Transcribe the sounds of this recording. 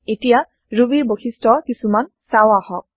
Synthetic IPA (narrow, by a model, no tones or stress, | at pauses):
etija | ɹubiɹboxʰistɔkisuman | sawahɔk̚